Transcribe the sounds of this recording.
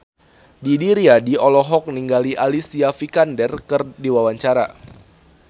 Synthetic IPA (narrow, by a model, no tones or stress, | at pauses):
didiɾiadiɔlɔɦɔk̚niŋɡaliʔalisiafikandɛrkɨrdiwawaɲt͡ʃaɾa̰